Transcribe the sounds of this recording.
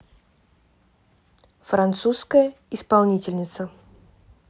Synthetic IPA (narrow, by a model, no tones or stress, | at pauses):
fɾant̪suskəjə | ɪspalˠnʲitʲɪlʲnʲɪt̪sə